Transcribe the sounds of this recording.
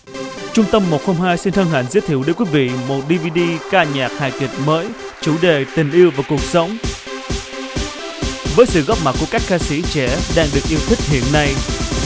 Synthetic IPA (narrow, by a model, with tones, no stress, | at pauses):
t͡ɕʊ˧ŋ͡mt̪ə˧mːo˨˩t̚ho˧ŋ͡mɦaː˧jsi˧nh̪əː˧nha̰˧˨nzi˨˦˥t̪ʰi˧˩əwɗjkwui˨˦˥vḭ˧˨mo˨˩t̚ɗi˧vi˧ɗi˧kaː˧ɲaː˨˩k̚ha̰ː˧˨jki˨˩t̚məː˨˦j | t͡ɕu˧˩ɗe˨˩t̪ï˨˩ŋ̟ʔi˧əwvaː˨˩kʊ˨˩ək̚sə˨˦wŋ͡m | vəː˨˦jsɨ̰˧˨ɣɔ˦˥p̚ma˨˩t̚kːu˧˩əkaː˦˥k̚xaː˧sḭ˧˥t͡ɕɛ˧˩ɗaː˧ŋɗɨ˨˩ək̚ʔi˧əwt̪ʰï˥k̟̚hḭ˧˨ənːa˧j